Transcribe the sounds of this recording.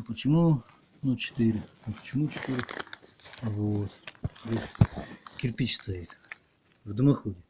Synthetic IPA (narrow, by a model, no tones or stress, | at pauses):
pət͡ɕɪmu | nut͡ɕʰɪ̥t̪ɪɾʲɪnupə̥t͡ʃɪmut͡ɕʰɪ̥t̪ɨɾʲɪ | ɐvoːt̪vot̪ | kʲɪrpʲit͡ɕst̪ɐit̪ | vd̪ɨmɐxudʲɪ